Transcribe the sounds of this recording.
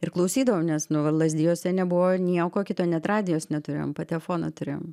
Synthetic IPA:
ɪrklˠɐʊsʲiːd̪ɐʋomnʲɛsnʊʋɐlˠɐzʲd̪ʲɪjoːsʲɛnʲɛbʊʋoːnʲiɛkoːkʲɪt̪oːnʲɛt̪ɾɑːd̪ʲɪjoːsnʲɛt̪ʊɾʲḛːjoɔ̰mpɐt̪ʲɛlʲɛfoːnɐt̪ʊɾʲeːjo̰m

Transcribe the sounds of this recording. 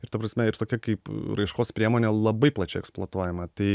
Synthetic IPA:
ɪɾt̪ɐpɾɐsʲmʲɛɪɾt̪oːkʲɛkɐɪpɾɐɪʃkoːspʲɾʲiɛmoːnʲeːlˠɐbɐɪplˠɐːt͡ʃʲɛɪɛksplˠoːt̪uɔːjɛmɐt̪ɐɪ

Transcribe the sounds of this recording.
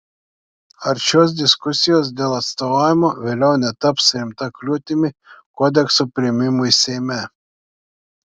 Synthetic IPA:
ɐɾʃʲoːs̬d̪ʲɪskʊsʲɪjoːs̬d̪ʲeːlˠɐt̪st̪oːʋɑːjʲɪmoːʋʲeːlʲɛʊnʲɛt̪ɐpsɾʲɪmt̪ɐklʲuːt̪ʲɪmʲɪkɔːd̪ʲɛksopʲɾʲɪɛmʲɪmuːisʲɛɪmʲɛ

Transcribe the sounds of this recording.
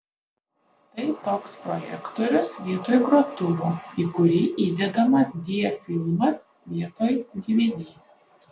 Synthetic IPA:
t̪ɐɪt̪oːkspɾɔjɛ̰kt̪oːɾʲʊsʋʲiɛt̪oːjɡɾuɔt̪ʊʋuːiːkʊɾʲiːʔiːd̪ʲɛd̪ɐmɐsd̪ʲiɛfʲɪlˠmɐs | ʋʲiɛt̪oːjɡ̪ʲiʋʲɛd̪ʲiː

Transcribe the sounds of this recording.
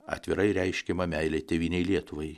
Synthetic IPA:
ɐ̰t̪ʲʋʲɪɾɐɪɾʲɛɪʃʲkʲɛmɐmʲɛɪlʲɛt̪ʲɛʋʲiːnʲɛɪlʲiɛt̪ʊʋɐɪ

